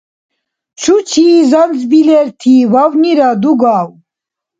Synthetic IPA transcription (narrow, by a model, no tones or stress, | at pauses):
t͡ʃʰut͡ʃʰiːzand͡zbilɛɾt̪ʰiːvawniɾad̪uɡaːw